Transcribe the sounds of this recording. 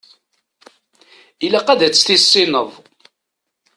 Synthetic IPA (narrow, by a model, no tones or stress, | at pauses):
ilæqæðæt͡sːθisːinəðˤ